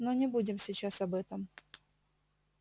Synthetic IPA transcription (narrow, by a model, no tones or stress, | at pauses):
nonʲɪbudʲɪmsʲɪt͡ɕasɐbɛt̪əm